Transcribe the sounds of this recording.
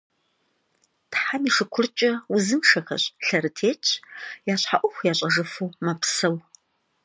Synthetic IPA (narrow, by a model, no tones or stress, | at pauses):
tħamiːʂɨkʷʰʊrt͡ʃʼɐʊzɨmʂɐxɐ̰ɕʼɬɐɾɨtʰeːt͡ʃʼjaːɕħaʔʷʊxʷjaːɕʼɐʒɐfɨwmapsɐw